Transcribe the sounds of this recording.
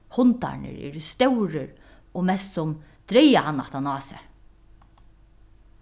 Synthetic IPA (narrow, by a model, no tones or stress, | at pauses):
hʊnt̪a̰ɹɳə̰ɾɛ̰ɾst̪œwɾəɾ | ɔmɛst̪sʊm | d̪̥ɾɛjahanːa̰ht̪anɑːsɛ̰